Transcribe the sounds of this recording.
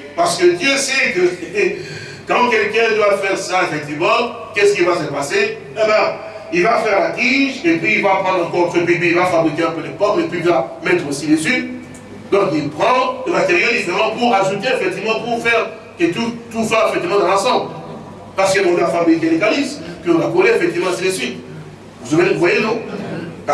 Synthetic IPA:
paʁsə̥kəd̪jøsɛkə | kɑ̃kʲɛlkɛ̃d̪waləfɛʁsaefɛk̚t̪ivmɑ̃ | kɛsə̥kilvasəpase | ɛbɛ̃ | ilvafɛʁlak̪iʒepɥiːlvapχɑ̃d̪ʁɑ̃kɔʁtfepip̬ɥilvafabʁikʲeɛ̃pølepɔʁmepɥilvamɛt̪χosid̪esy | d̪ɔ̃kilpχɑ̃dəmat̪eʁjoivʁɛmɑ̃puʁaʒut̪eefɛk̚t̪ivmɑ̃puʁfɛʁ | ket̪ut̪uswapɛfɛk̚t̪ivmɑ̃d̪ɑ̃lɑ̃sɑ̃bl | paʁsə̥kenɔ̃d̪lafamijkelekaliskəɔ̃lakoleefɛk̚t̪ivmɑ̃sid̪esy | vuzavevwajenũ

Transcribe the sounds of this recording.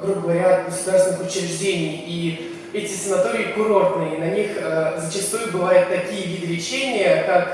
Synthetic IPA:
ɡɾuɡəvɐɾʲat̪ɡəsʊd̪arsvʲɪnxʊt͡ɕɪɾʲɪʐdʲenʲɪj | i | ɛtʲɪsənɐt̪o̞ɾʲɪːkʊɾo̞rt̪nɨjənɐnʲixəzət͡ɕɪst̪ujʊbɨvajʊt̪ːɐkʲijəvʲid̪ɨlʲɪt͡ɕenʲɪjəkak

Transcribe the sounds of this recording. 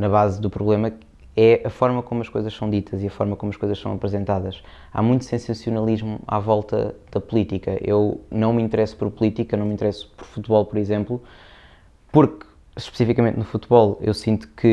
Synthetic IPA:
nɐβazðupɾuβlˠemɐ | ɛʔɐfɔɾmɐkomuɐʃkojzɐʃsɐ̃w̃d̪it̪ʰɐziɐfɔɾmɐkomɐʃkojzɐʃsɐ̃w̃ɐpɾɨzẽnt̪aðɐʃ | a̰mũj̃t̪sẽsɐ̃siunɐlˠiʒmua̰vɔlˠt̪ɐ̰ðɐpulˠit̪ikɐ̰ʔḛwnɐ̃w̃mĩnt̪ɨɾɛsu̥pɔɾpulˠit̪ikɐnɐ̃w̃mĩt̪ɾɛsu̥pɔɾfut̪βɔlˠpɔɾizẽmplˠu | puɾk | ʃpɨ̥sifikɐmẽnt̪nufut̪βɔlˠḛwsĩnt̪u̥kʰɨ

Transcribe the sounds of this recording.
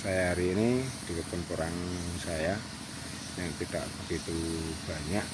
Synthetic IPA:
sajaɾinid̪̥ikəpʊnpəɾaŋsaja | jaŋt̪id̥a̰ʔb̥əɡ̥it̪ub̥aɲaʔ

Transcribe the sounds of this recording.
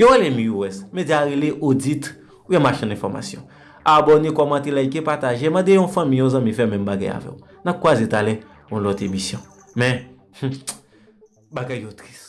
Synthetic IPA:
joɣelemĩuwɛsmẽd͡ziaɣeleʔod͡zit̪ | ujɛmaʃɛ̃nɛ̃fɔʁma̰sjɔ̰̃ | abɔnekɔmãt̪elaikepat̪aʒemãd̪ejɔ̃fɐ̃mĩjɔ̃zɐ̃mĩfɛmɛ̃mbaɡa̰ja̰vɛ̰ku | nak̚kːwazet̪alɛ | ɔ̃lɔt̪emisjɔ̃ | mɛ̃ | baɡajːot̪ʁis

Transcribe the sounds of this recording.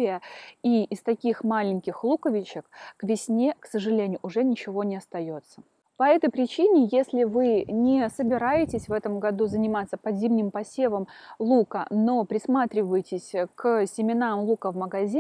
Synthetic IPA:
ɪjəiːst̪ɐkʲixmalʲɪnʲkʲɪxlˠukəvʲɪt͡ɕɪkkvʲɪsʲnʲeksəʐɨlʲenʲɪjʊʔʊʐɛnʲɪt͡ɕɪvo̞nʲɪɐst̪ɐjo̞t̪sːə | pɐɛt̪əjpɾʲɪt͡ɕinʲɪjesʲlʲɪvɨnʲɪsəbʲɪɾajɪtʲɪsʲvɛt̪əmɡɐd̪uzənʲɪmat̪sːəpɐzʲimnʲɪmpɐsʲevəmlˠukə̰no̞pɾʲɪsmat̪ɾʲɪvəjɪtʲɪsʲksʲɪmʲɪnamlˠukəvməɡɐzʲi

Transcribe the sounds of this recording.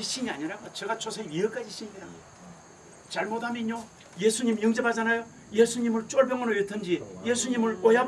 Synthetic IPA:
iɕ͈iɲiaɲiɾaɡot͡ɕʌɡat͡ɕʰosʰeiek͈ad͡ʑiɕʰiɲɡeɾa | t͡ɕaɭmodhamjeɲo | jesʰuɲimjɯŋd͡ʑepʰad͡ʑanajo | jesʰuɲimɯɭt͡ɕoɭbjʌŋʌɾojetʰɯnd͡ʑijesʰuɲimɯɭojab

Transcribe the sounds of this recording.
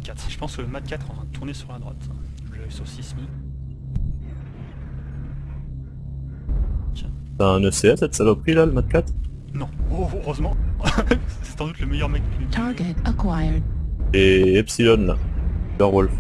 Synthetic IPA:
kʲat̪χʒə̥pɑ̃skələmat̪̚kʲat̪χɑ̃ʁãd̪ət̪ʰuʁnesyʁlad̪ʁwa̰t̪ | ləsɔsismi | a | saɛ̃nøseɛsɛt̪salopχilaləmat̪̚kʲat̪χ | nɔ̃oʁøzmɑ̃ | sɛsɑ̃d̪ut̪ləmɛjœʁmɛk̪̚tʰɑɹɡɛtəkʰwajədeɛpsilɔnla̰ɔʁwɔlf

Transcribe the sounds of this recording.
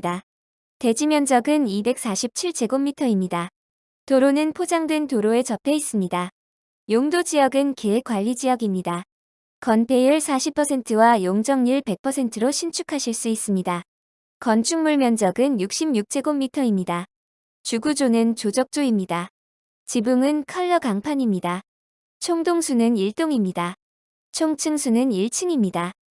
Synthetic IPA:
da | te̞d͡ʑimjʌnd͡ʑʌɡɯnibe̞k̚s͈aɕʰip̚t͡ɕʰiɭt͡ɕʰe̞ɡomːitʰʌimɲida | toɾonɯnpʰod͡ʑaŋdwentoɾoe̞t͡ɕʌpʰe̞is͈ɯmɲida | joŋdod͡ʑijʌɡɯnke̞k͈waʎːid͡ʑijʌɡimɲida | kʌnpʰe̞ɯɭsʰaɕʰipʰʌsʰe̞ntʰɯwajoŋd͡ʑʌŋɲiɭpe̞k̚pʰʌsʰe̞ntʰɯɾoɕʰint͡ɕʰukʰaɕʰiɭs͈uis͈ɯmɲida | kʌnt͡ɕʰuŋmuɭmjʌnd͡ʑʌɡɯnjuk̚ɕ͈imjuk̚t͡ɕʰe̞ɡomːitʰʌimɲida | t͡ɕuɡud͡ʑonɯnt͡ɕod͡ʑʌk̚t͡ɕ͈oimɲida | t͡ɕibuŋɯnkʰʌɭːʌkaŋpʰaɲimɲida | t͡ɕʰoŋdoŋsʰunɯniɭt͈oŋimɲida | t͡ɕʰoŋt͡ɕʰɯŋsʰunɯniɭt͡ɕʰɯŋimɲida

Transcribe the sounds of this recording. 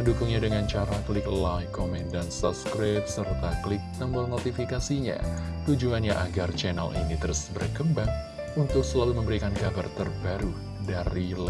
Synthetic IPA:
pəndukʊŋɲadəŋant͡ʃaɾaklɪklajkomɛndansṵp̚skɾap̪̚sərt̪aklɪk̚t̪əmbɔrnot̪ifikasiɲa̰ | t̪ud͡ʒuanɲaʔaɡart͡ʃɛna̰lʔḭnit̪əɾusbərkəmbaŋ | unt̪ʊk̚səlaluməmbəɾikankabart̪ərbaɾu | daɾil

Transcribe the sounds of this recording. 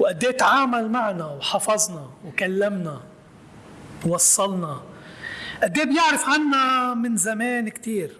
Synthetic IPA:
wʔad̪ːeːt̪ʕaːmalmaʕnawħɑfɑzˤnɑwkalːamna | wːɑsˤːɑlnɑ | ʔad̪ːeːbjɪʕɾɪfʕanːamɪnzameːnkt̪iːɾ

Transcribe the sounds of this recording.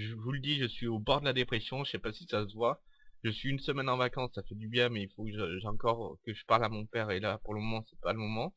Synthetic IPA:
ʒəvuləd̪iʒəsɥiobɔʁd̪əlad̪epχesjɔ̃ʒəsɛpasisasəvwa | ʒ̥əsɥiynsəmɛnɑ̃vakɑ̃sːafɛd̪ybjɛ̃mɛilfokəʒəʒɑ̃kɔʁkəʒəpaʁlamɔ̃pɛʁelapuʁləmɔmɑ̃sɛ̥paləmɔmɑ̃

